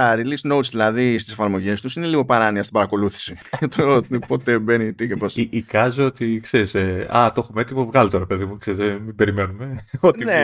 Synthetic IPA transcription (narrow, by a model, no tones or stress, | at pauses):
ɐɾilisno̞ut̪sðilɐðist̪ise̞fɐɾmo̞ʝe̞st̪usine̞liɣo̞pɐɾɐniɐst̪ibɐɾɐko̞luθi̥si | ʝɐt̪ot̪po̞t̪e̞benit̪ikeposiːkɐzoot̪ikse̞ɾiseɐ̰t̪o̞xumet̪imuvɣɐlit̪oɾepe̞ðimukseɾizðemibe̞ɾime̞numeot̪ine